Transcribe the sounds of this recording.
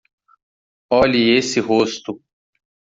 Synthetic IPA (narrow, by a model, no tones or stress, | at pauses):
ɔːliesiɦoːst̪u